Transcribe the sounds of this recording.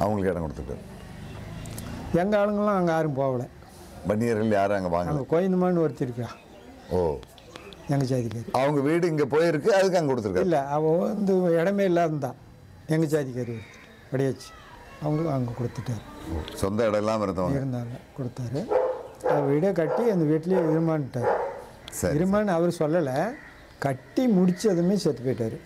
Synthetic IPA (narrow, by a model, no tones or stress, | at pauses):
ɐ̰ʋɐŋɡɐɭkːɛɽɐŋkɔɽɯt̪ːɯʈːa̰ːɾ | eŋɡɐaːɭɯŋːɐɭlãːɐŋɡɐaːɾɯmpoːʋɐɭe | bɐnːijɐɾɣɐɭjaːɾɐŋɡɐʋa̰ːŋɡɐŋɡɐkoːjɐnumaːnɯɐɾit̪ːiɾɯkːaː | oː | eŋɡɐt͡ɕaːðikʲːaːɾiɐʋɐŋɡɐʋiːɽɯiŋɡeːpoːjɪɾɯkːɯɐðɯkːɐŋɡɐkɔɽɯt̪ːɯɾɯkːailːɐɐpond̪ɨɛɽɐmeːilːaːðɐnd̪ãː | ɛŋɡɐt͡ʃaːðɪkːaːɾiʋɐ | pɐɽɪjaːt͡ʃːi̥ | ɐʋɐŋɡɐɐʋŋɡɐkɔɽɯt̪ːɯʈːaːɾɯo̰ːsɔnd̪ɐɛɽɐɛlːãːmɪɾɯnd̪ɐʋɪɾɯnd̪aːlɐkɔɽɯt̪ːaːɾɯɐʋɐɪɽɐkɐʈːiɐnd̪ɐʋiːʈːɪlejeʋɪɾɯmaːnɯʈːaːɾɯ | sɐ̰ɾɪɾɯmaːnɐʋɐɾsɔlːɐlɐ | kɐʈːimʊɽɪt͡ʃːɐðɯmeːset̪ːɯpɐjɪʈːaːɾɯ